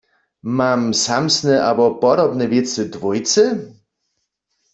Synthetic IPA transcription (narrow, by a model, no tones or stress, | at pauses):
mamsamsnɛʔabɔpɔd̪ɔbnɛvʲjɛt̪sɘd̪vujt̪sɘ